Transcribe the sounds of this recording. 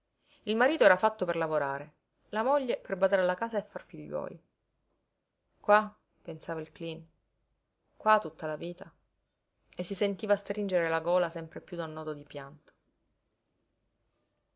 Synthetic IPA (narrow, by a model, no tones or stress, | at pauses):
ilmaɾiːt̪oɛːɾafat̪ːoperlavoɾaːɾe | lamoʎːeperbad̪aɾalakaːzaefːarfiʎːwɔ̰ːli | kwa | pensaːvailklin | kwat̪ːut̪ːalaviːt̪a | esːisent̪iːvast̪ɾind͡ʒeɾelaɡɔːlasɛmpɾepjud̪anːɔːd̪od̪ipjant̪o̥